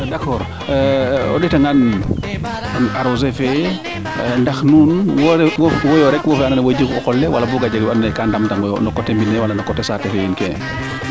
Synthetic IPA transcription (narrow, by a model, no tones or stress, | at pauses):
dakɔːɾ | ɔ̰ɗitaŋan | naɾozefe | ndaxnunwɾwwɔjɔɾɛkwɔfɛananawod͡ʒikɔkɔlːɛwalabuɡad͡ʒaɡannɛkandamtaŋnɔkɔtembinɛwalanɔkɔtɛsatɛfejinkɛ